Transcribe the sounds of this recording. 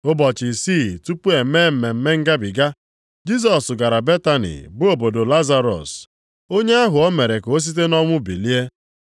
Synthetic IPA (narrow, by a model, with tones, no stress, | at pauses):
ʊ˦bɔ˨t͡ʃɪ˨si˦˨tu˦pu˦e˨˦me˦˨m̩˨me˨m̩˦me˦ŋ̩˦ɡa˦bi˨ɡa˦ | d͡ʒi˦s̬ɔ˨sʊ˨ɡa˨ɾa˨be˦ta˦nḭ˨bʊ˦o˨bo˨do˨la˦za˦ɾɔ̰˨s | o˦ɲe˦a˦ɦʊ˨ɔ˦me˨ɾe˨ko˦s̬i˦t̬e˦nɔ˦ŋʷʊ˦bḭ˨li˦e˦